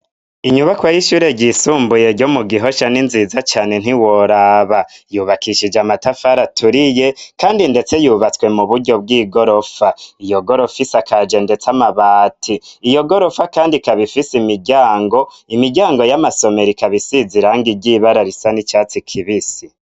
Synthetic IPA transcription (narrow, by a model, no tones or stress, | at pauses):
iɲuβakwajiʃuːɾe̞ɟisuːmbuje̞ɟomuɡiɦo̞ʃaninzizat͡ʃaːne̞n̥iwo̞ɾaːβajuβakiʃid͡ʒamatafaɾatʰuɾije̞kaːndinde̞t͡se̞juːβat͡swe̞muβuɾɟo̞b̚ɡiːɡo̞ɾo̞faijo̞ɡo̞ɾo̞fisakʰad͡ʒe̞nde̞t͡samaβaːtʰiːjo̞ɡo̞ɾo̞fakaːndikaβifisimiɟaːŋɡo̞ | imiɟaːŋɡo̞jamaso̞me̞ɾikaβisiziɾaŋɡiɟiβaɾaɾisanit͡ʃaːt͡sikʰiβisi